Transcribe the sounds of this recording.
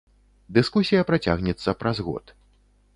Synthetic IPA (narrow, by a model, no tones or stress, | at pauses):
d̪ɨskusʲijɐpɾat͡sʲa̰ɣnʲɛt̪sːɐpɾazɣɔ̰t̪